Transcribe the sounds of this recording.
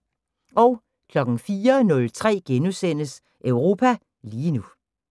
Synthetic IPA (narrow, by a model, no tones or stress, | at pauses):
ʔɒʊ | kʰlɒ̽ɡ̥n̩fiːɐnɔ̽lt͡sʰʁɛ̰ːɡ̥enusen̰əs | ʔœʊʁo̝ːpʰæ | liːnu